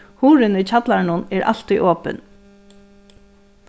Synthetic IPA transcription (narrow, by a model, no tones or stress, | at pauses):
huːɾɪnʏːt͡ɕʰat̪laɹnʊnɛɹʔa̰l̥t̪iʔɔːpə̰n